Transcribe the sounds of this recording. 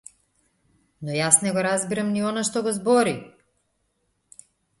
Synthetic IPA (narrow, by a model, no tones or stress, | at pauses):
nɔjasnɛɡɔɾazbiɾamniɔnaʃt̪ɔɡɔzbɔɾi